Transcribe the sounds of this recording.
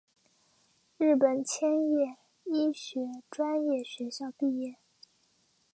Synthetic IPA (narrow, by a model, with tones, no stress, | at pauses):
ɻɻ̩˥˩pə˨˩nt͡ɕʰjɛ˥njɛ˥˩ | i˥ɕɥɛ˧˥ʈ͡ʂwa˥njɛ˥˩ɕɥɛ˧˥ɕjɑ˥˧ʊpi˥˧jɛ˥˩